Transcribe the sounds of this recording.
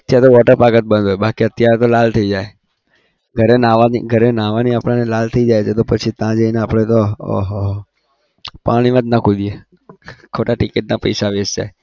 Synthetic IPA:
ət̪jaɾet̪oʋɔʈəɾpaɡət̪̚bə̃nd̪oebakiət̪jaɾet̪olalt̪ʰəid͡ʒae | ɡʱəɾenaʋanḭɡʱəɾenãʋaniapɽ̃anelalt̪ʰəid͡ʒajt͡ʃʰet̪opət͡ʃʰit̪ãd͡ʒəineapɽ̃et̪oo̰ɦɔɦ | paɽ̃iʋad̪nakʰud̪ie | kʰoʈaʈɪkiʈ̚napə̰jsaʋesd͡ʒa̰e

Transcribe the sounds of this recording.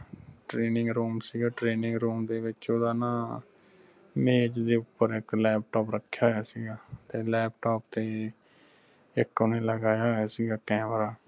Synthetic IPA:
ʈɾeːnɪ̃ŋɡɾuːmsiːɡaːʈɾeːnɪ̃ŋɡɾuːmd̪eːʋɪt͡ʃoːd̪aːnãː | meːt͡ʃd̪eːʊpːəɾɪklɛːp̚ʈoːpɾəkʰːjaːɦojaːsiːɡaːt̪eːlɛːp̚ʈoːpt̪eː | ɪkʊnẽːləɡaːjaːaːsiːɡaːkɛ̃ːmɾaː

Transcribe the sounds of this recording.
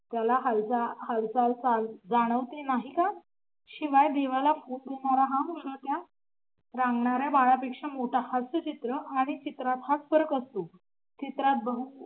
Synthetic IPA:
t̪jalaɦald͡zahalt͡salt͡sald͡zaɽ̃əʋt̪enaɦika | ɕiʋajd̪eʋalafuʈ̚deɳaɾaɦãmuʂət̪ja | ɾãŋɡɳaɾjabaɭapekʂəmoʈʰahasət͡ɕit̪ɾəaɽ̃it͡ɕit̪ɾat̪ɦat͡sfəɾəkəst̪o | t͡ɕit̪ɾat̪̚bəɦu

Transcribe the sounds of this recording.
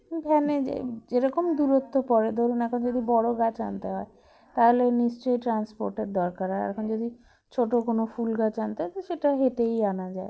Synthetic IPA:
bʱɛned͡ʑḛeɾɔkomd̪uɾot̪ːopɔɾed̪ʱoɾunɛkʰond͡ʑod̪ibɔɽoɡat͡ɕa̰nt̪eɦɔe | t̪aɦoleniʃt͡ɕojʈɾanspoɾʈeɾd̪ɔɾkaɾaɛ̰kʰond͡ʑod̪ʱi | t͡ɕʰoʈokonofulɡat͡ɕant̪eɦɔet̪ʃeʈaɦet̪ejanad͡ʑae

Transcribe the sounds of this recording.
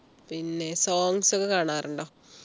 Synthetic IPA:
pinːe̞soːŋɡsokːekaːɳaːruɳɖoː

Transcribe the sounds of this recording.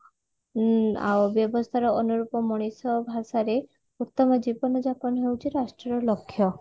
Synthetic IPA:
a̰wbjɔbɔst̪ʰaɾɔɔnuɾupɔmɔɽ̃isɔbʱasaɾe | ut̪ːɔmɔd͡ʒibɔnɔd͡ʒapɔnɔɦewt͡ʃʰiɾasʈɾɔɾɔlokʰːjɔ

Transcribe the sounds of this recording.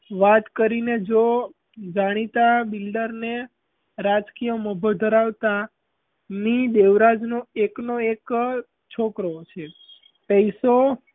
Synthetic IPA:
ʋat̪kəɾined͡ʒo | d͡ʒaɽ̃it̪abilɖəɾne | ɾad͡ʒkijəməbʱəd̪ʱəɾaʋt̪a | nid̪eʋɾad͡ʒnoeknoek | t͡ʃʰokɾot͡ʃʰe | pəiso

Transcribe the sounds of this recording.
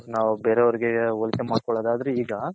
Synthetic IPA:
naːʋubeːɾeɐʋɐɾiɡeɔlsemaːɖ̚kɔɭoːd̪aːd̪ɐɾeiːɡɐ

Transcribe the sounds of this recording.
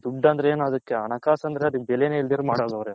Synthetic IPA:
d̪uɖːɐnd̪ɾeeːnɐd̪ɐkːeɐɳɐkaːsɐnd̪ɾeɐd̪ik̚ːbɛleneild̪iːɾumaːɽaːɡɐʋɾe

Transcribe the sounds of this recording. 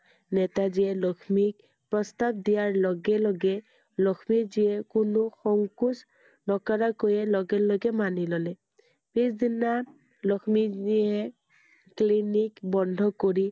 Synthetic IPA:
nɛtaziɛlɔkʰmik | pɹɔstap̚dijaɹlɔɡɛlɔɡɛ | lɔkʰmiziɛkʊnʊxɔŋkus | dɔkaɹakojɛlɔɡɛlɔɡɛmanilɔlɛ | pisdina | lɔkʰmiiɛ | klinikbɔndʱɔkoɹi

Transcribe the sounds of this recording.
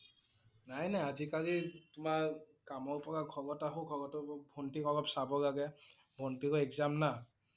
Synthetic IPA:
najnajazikalitʊmaɹ | kamɔɹpɔɹaɡʰʱɔɡɔtaɦoɡʱɔɡɔtɔbʱɔntikɔɡɔpsabɔɡaɡɛ | bʱɔntikɔɛkzamna

